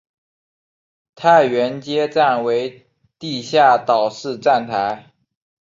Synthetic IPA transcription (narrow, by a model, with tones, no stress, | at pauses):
t̪ʰa˥˧ɪɥɛ˧˥nt͡ɕjɛ˥ʈ͡ʂa˥˩nwe˧˥ɪ | t̪i˥˧ɕja˥˩t̪ɑ˨˩ʊʂɻ̩˥˧ʈ͡ʂa˥˩nt̪ʰa˧˥ɪ